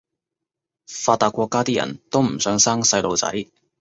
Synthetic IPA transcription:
faː˧t̪ːaː˧kʷɔː˧kːaː˥t̪iː˥jɐ̰˨˩nt̪o˥wm̩˨˩sœː˨˥ŋsaː˥ŋsɐ˧jlo˨˧wt͡sɐ̰˨˥j

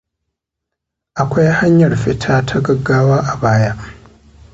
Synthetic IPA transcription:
ʔa˨kʷa˦jha˦ɲjɐ˨ɽɸɪ˦tʰaː˦tʰa˦ɡɐ˨ɡːaː˦waː˦ʔa˨baː˦jaː˦ʔ

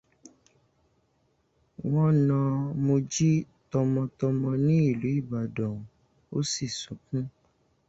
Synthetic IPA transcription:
w̃ɔ̃˦nã˧mo˧d͡ʒi˦ | tɔ˧mɔ̃˧tɔ˧mɔ̃˧nĩ˦i˦˨lu˨˦i˦˨ba˨dɔ̃˨ | o˦si˦˨sũ˨˦kũ˦

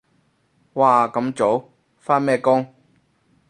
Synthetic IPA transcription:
waː˧kɐ˨˥mt͡so˨˥w | faː˥nmɛː˥˩kʊ˥ŋ

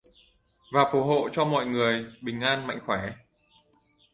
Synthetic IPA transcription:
vaː˨˩fo˨˩˦ɦo̰˧˨t͡ɕɔ˧mɔ̰˧˨jŋɨ˨˩əjɓï˨˩ŋ̟ʔaː˧nma̰˧˨jŋ̟xwɛː˧˩˦

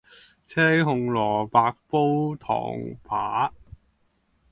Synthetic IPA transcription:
t͡sʰɛː˥ŋɦʊ˧ŋlɔː˨˩paː˧k̚po˥wt̪ʰɔ̰ː˨˩ŋpʰaː˨˩˦

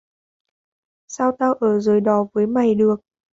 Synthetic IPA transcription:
sa˧wt̪aː˧wʔəː˧˩zəː˨˩jɗɔ˨˦vəː˨˦jma˨˩jɗɨ˨˩ək̚

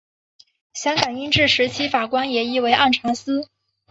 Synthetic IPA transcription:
ɕjɑ˥ŋkɑ˨˩ni˥nʈ͡ʂɻ̩˥˩ʂɻ̩˧˥t͡ɕʰi˥fa˨˩kwa˥njɛ˨˩i˥we˧˥ɪʔa˥˩nʈ͡ʂʰɑ˧˥ŋsɹ̩˥

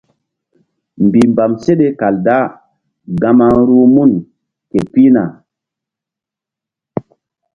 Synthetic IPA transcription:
mbi˨mba˨mse˦ɗe˦ka˨lda˦ | ɡa˨ma˦ɾu˦mu˦˨n | ke˨pi˦na̰˨

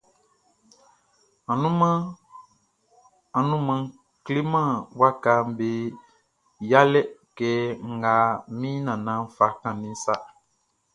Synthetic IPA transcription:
a˨nũ˦ | a˨nũ˦mã˧˦ | kli˦mã˦˨wa˦ka˨˦m˦be˨ | ja˦lɛ˦kɛː˨˦ŋ̩˨ɡa˨˦mĩ˦nã˨nã˦fa˨kã˨nĩ˦sa˦

